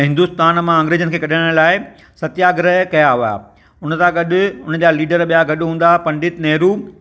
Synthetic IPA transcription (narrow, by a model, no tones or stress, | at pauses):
ɦɪ̃nd̪ust̪aːnmãə̃ŋɡɾeːd͡ʑənkʰeːkɐɗãɽ̃laːɪ | sɐt̪jaːɡɾəɦkɐjaɦʊa̰ː | ʊnə̆t̪ãɡɐɗʊ̆ʊnəd͡ʑaːliːɖəɾɓijaɡɐɗʊɦũːnd̪apɐ̃ɳɖɪt̪nɐɦɾuː